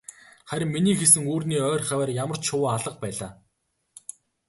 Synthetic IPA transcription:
χæɾ̆ʲmːiniːxesɘ̆ŋuːrniːœːrʲχæwæːrjamə̆r̥t͡ɕʃʊwaɮə̆q̚pæːɮaː

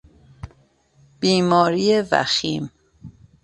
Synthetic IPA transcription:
b̥iːmɒːɾiːjevæ̰xiːm

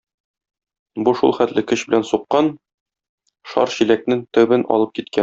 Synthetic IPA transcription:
buʃṵlˠχæt̪lɘkɵ̆ɕbɘ̆lænsuqːɑn | ʃɒ̰ɾɕilæk̚nɘŋt̪ɵ̆bɘnʔɒ̰lˠɤp̚kit̪kæ

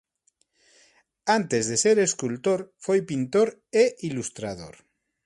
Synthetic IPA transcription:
ant̪ezðeseɾeskult̪oɾfojpint̪oɾeʔilust̪ɾað̞o̰ɾ

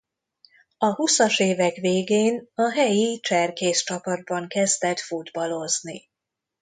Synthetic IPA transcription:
ɒhusɒʃeːvɛkʋeːɡeːnɒɦɛjit͡ʃɛrkeːst͡ʃɒpɒd̪̚bɒŋkɛzd̪ɛt̪fud̪bɒlo̞zni

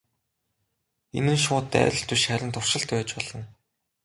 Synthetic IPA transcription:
ḛnɘ̆nʃʊːt̪ːæ̰ːrʲɪ̆ɬt̪uʃχæɾʲɪ̆nt̪ʰʊrʃɪ̆ɬt̪pæːt͡ɕpɔɮ̥ɞ̆n

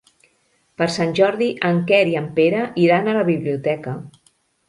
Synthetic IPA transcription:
pəɾsanʲʒɔɾðiʔəŋkɛɾiəmpeɾəʔiɾanələβiβliut̪ɛkə

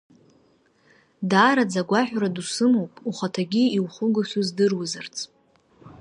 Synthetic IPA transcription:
daːɾad͡zaɡʷaħʷᶣradusɨmowpʼuχʷatʰaɡʲiiwχʷʊɡɨʃuzdɨrwuzɨrt͡sʰʼ

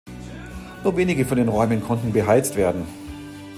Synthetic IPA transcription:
nuːɐveːnɪɡəfɔndeːnʁɔʏmənkʰɔntn̩bəɦaɪt͡stv̥eːɐdn̩

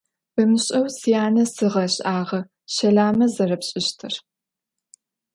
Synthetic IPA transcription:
b̥ɨmɨɕʼɐwsijaːnɐsɨʁɐɕʼʔaːʁɐ | ɕɐɮaːmɐzɐrɐpɕʼɪɕtʰɨr

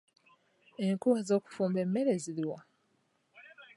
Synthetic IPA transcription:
e̞ŋkuwazo̞ːku̥fuːmbe̞mːe̞ɾe̞ziliwa

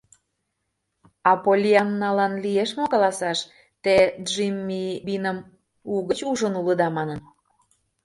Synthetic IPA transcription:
ɑpolʲiɑnːɑlɑnlieʃmokɑlɑsɑʃ | t̪eʒimʲːibinəm | uɣə̆t͡ɕuʒənulə̆d̪ɑmɑnə̆n

